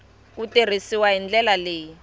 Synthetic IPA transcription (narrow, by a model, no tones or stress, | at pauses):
kuter̤isiwaɦind͡ɮɛlaleːji